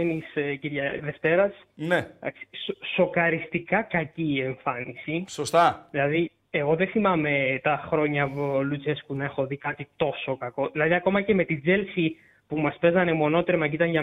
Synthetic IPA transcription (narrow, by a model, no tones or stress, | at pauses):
enisciɾʝɐðe̞ft̪e̞ɾɐs | neɐ̰ksi̥soso̞kɐɾist̪ikɐkɐciːe̞ɱfɐnisisost̪ɐðilɐði | eɣo̞ðeθimɐme̞t̪ɐxɾo̞ɲɐvolut͡seskunɐe̞xo̞ðikɐt̪it̪o̞so̞kɐko̞ðilɐðiɐko̞mɐce̞me̞t̪id͡zelsi | pumɐspe̞zɐnemo̞no̞t̪eɾemɐɟit̪ɐɲʝɐ